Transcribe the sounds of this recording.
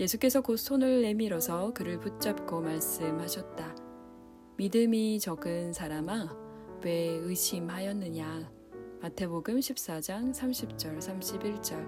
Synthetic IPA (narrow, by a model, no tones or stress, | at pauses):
je̞sʰuk͈e̞sʰʌkosʰonɯɭːe̞miɾʌsʰʌkɯɾɯɭput̚t͡ɕ͈ap̚k͈omaɭs͈ɯmhaɕʰʌt̚t͈a | midɯmit͡ɕʌɡɯnsʰaɾama | we̞ɯɕʰimɦajʌnːɯɲa | matʰe̞boɡɯmɕʰip̚s͈ad͡ʑaŋsʰamɕʰip̚t͡ɕ͈ʌɭsʰamɕʰibiɭt͡ɕ͈ʌɭ